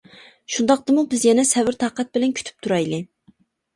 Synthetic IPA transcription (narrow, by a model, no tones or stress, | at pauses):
ʃund̪ɑq̚t̪ɨmubɪzjɛnɛsɛvɪɾt̪ʰɑːqɛt̪̚bɪlɛnkʲʰy̥t̪ʰy̥p̚t̪ʰuɾɑjlɨ